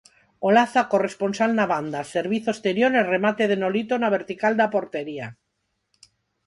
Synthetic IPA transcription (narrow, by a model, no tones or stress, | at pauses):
olaθako̞respo̞nsalnaβand̪aseɾβ̞iθoest̪eɾjoɾeremat̪eð̞enolit̪onaβ̞e̞ɾt̪ikald̪apo̞ɾt̪eɾia